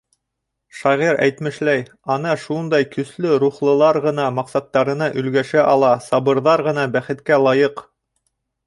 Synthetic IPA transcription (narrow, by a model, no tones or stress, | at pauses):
ʃɑʁiɾæ̰jt̪mɘ̆ʃlæj | ɑnɑʃund̪ɑjkɵ̆slɵɾuχlˠɤ̆lˠɑɾʁɤ̆nɑmɑqsɑt̪ːɑɾɤ̆nɑʔɵ̆lɡæʃæʔɑlˠɑsɑβɤ̆ɾðɑɾʁɤ̆nɑbæχɘ̆t̪kælˠɑjɤq